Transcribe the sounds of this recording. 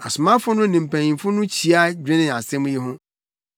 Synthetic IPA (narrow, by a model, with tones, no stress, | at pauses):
a˨sʊ˨mã˦fʊ˦nʊ̃˦nĩ˨m̩˨pʰæ̃˨ɲĩ˨mfʊ˦nʊ̃˦t͡ɕʰi˨a˦d͡ʑᶣɪ̃˦nɪ̃˨a˨sɛ̃˦m̃˦je˦ɦʊ̃˦